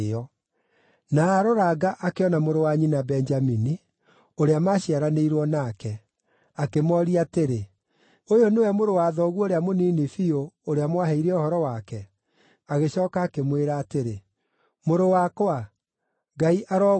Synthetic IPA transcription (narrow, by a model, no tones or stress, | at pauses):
ɔ | naːɾoɾaɡaʔakeɔnamoɾowaɲinabɛnd͡ʒamini | oɾeamaɕiaɾaneiɾwɔnakɛ | akemɔɾiateɾe | ojonewɛmoɾowaðɔɣuoɾeamoniːnifioːɾeamwaɦeiɾɛohɔɾɔwakɛ | aɣeɕɔːkaːkemweɾaːteɾe | moɾowakwa | ɡaiʔaɾɔ